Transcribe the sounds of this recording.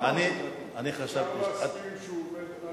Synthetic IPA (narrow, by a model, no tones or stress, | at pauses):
ani | aniχaʃabt̪iʃat̪